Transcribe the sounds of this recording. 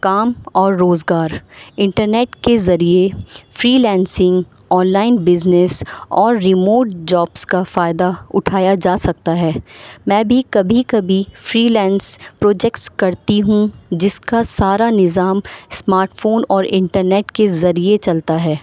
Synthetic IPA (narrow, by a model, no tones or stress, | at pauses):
kaːmɔːɾːoːzɡaːɾɪ̃ɳʈəɾneːʈkezɐɾiefɾiːlɛ̃ːnsɪ̃ŋɡ | ɔːnlaːɪnbɪznɛsɔːɾːɪmoːɾʈ̚d͡ʒɔːbskafaːɪd̪aʊʈʰaːjad͡ʒaːsɐk̚t̪aɦɛːmɛ̃ːbʱikɐbʱikɐbʱifɾiːlɛ̃ːnspɾoːd͡ʒɛkʈskɐɾt̪iɦũd͡ʒɪskasaːɾanɪzaːmsmaːɾʈfoːnɔːɾɪ̃ɳʈəɾneːʈkezɐɾiet͡ʃɐlt̪aɦɛː